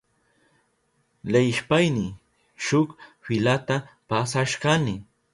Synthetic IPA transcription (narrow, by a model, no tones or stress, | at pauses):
lajʃpajnɪ | ʃʊkfɪlat̪a | pasaʃɢanɪ